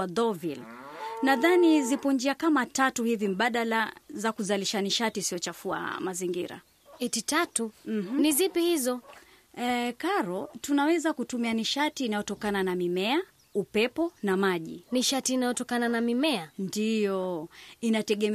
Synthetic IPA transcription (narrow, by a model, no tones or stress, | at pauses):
aðɔvilnaðanizipɔnd͡ʒiakamatatuhivim̩ɓaɗalazakuzaliʃaniʃatisiɔt͡ʃafua̰maziŋɡḭɾa̰ | ɛtitatum̩nizipihizɔ | kaɾɔtunawɛzakutumianiʃatiːnajɔtɔkananamimɛa | upɛpɔnamaʄḭniʃatiːnajɔtɔkananamimɛandijɔinatɛɠɛm